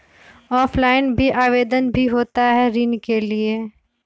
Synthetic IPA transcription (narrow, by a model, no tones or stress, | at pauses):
ɔːfʰlaːɪnbʱiʔaːʋeːd̪ənbʱiɦoːt̪aɦɛɾinkelie